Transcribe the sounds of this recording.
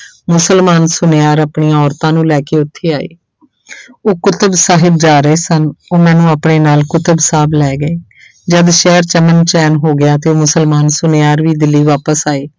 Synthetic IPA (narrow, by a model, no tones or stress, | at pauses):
mʊsəlmaːnsʊneaːɾapɳiːjãːɔːɾt̪ãːnũːlɛːkeːʊt̪ʰːeːaːḛː | oːkʊt̪əbsaːɦɪb̚d͡ʒaːɾəeːsənoːmɛ̃ːnũːəpɳeːnaːlkʊt̪əbsaːblɛːɡəeː | d͡ʒəd̪ʃɛːəɾt͡ʃəmənt͡ʃɛːnɦoːɡɪjaːt̪eːoːmʊsəlmaːnsʊnejaːɾʋiːd̪ɪlːiːʋaːpəsaːeː